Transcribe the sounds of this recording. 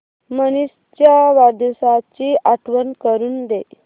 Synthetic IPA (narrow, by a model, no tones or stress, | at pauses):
mənis | t͡ɕjaʋad̪usat͡ɕiʔaʈʰʋənkəɾuːnd̪e